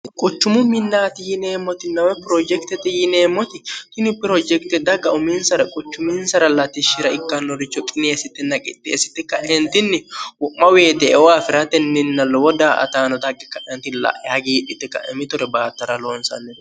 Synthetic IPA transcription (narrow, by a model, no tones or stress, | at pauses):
kʼʊt͡ʃːʊmʊmɪnːaːt̪ɪjɪne̞ːmːɔt̪ɪnːɐwɛpɪɾod͡ʒɛkt̪ɛt̪ːɪjɪneːmːɔt̪ɪt̪ɪnɪpɪɾod͡ʒɛkt̪ɛd̪ɐɡɐʊmiːnsɐɾɐkʼʊt͡ʃːʊminsɐɾɐlɐt̪ɪʃɪɾɐɪkːɐnːɔɾɪt͡ʃːɔkʼɪneːsɪt̪ːɪnɐkʼɪ̰t̪ʼːḛːsɪ̥t̪ːɪkɐʔɛnt̪ɪnːɪwʊʔːɐweːt̪ɛɛwaːfɪɾɐt̪ɛnːɪnːɐlːɔwɔd̪aːʔɐ̰t̪aːnɔd̪ɐɡɛkɐʔɛnt̪ɪlɐ̰ʔhɐɡiːᶑɪt̪ːɪkɐ̰ʔɛmɪt̪ʊɾɛbaːt̪ːɐɾɐloːnsɐ̰nːɛ